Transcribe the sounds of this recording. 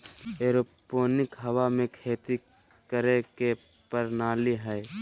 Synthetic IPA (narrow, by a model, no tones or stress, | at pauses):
eːɾopoːnɪkɦəwamẽkʰeːt̪i | kəɾeke | pəɾnaːliɦɛː